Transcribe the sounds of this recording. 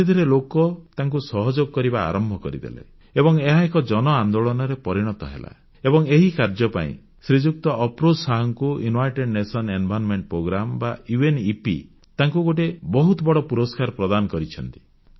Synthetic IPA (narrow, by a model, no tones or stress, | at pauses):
ed̪ʱɔɾelokɔt̪aŋkusɔɦɔd͡ʒoɡkɔɾiba̰ːɾɔmbʱɔkɔɾḭd̪ḛlḛ | ebɔŋeɦaekɔd͡ʒɔnɔand̪oɭɔnɔɾepɔɾiɽ̃ɔt̪ɔ̰ɦḛla̰ | ebɔŋeɦikaɾd͡ʒɔpa̰ḭ̃ | sɾid͡ʒuk̚t̪ɔʔːpɾod͡ʒsaɦɔŋkuunajʈeɖnesɔnenbʱanmeɳʈpɾoɡɾambauenipḭ | t̪aŋkuɡoʈ̬ebɔɦut̪ɔbɔɽɔpuɾɔskaɾɔpɾɔd̪anɔkɔɾit͡ʃʰɔnt̪i̥